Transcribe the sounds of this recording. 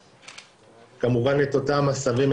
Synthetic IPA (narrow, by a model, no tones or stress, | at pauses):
kamuvanlet̪otaːmasavem